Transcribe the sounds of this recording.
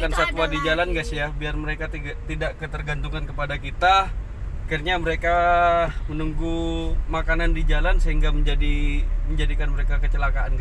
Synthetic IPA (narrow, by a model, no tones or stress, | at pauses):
kansak̪uadid͡ʒalanɡasjahbiarməɾekat̪i | t̪idaʔkət̪ərɡant̪uŋankəpadakit̪a | akirɲaməɾeka | mənuŋɡumakanandid͡ʒalansəɦiŋɡaməɲd͡ʒadiməɲd͡ʒadikanməɾekakət͡ʃəlakaʔanɡa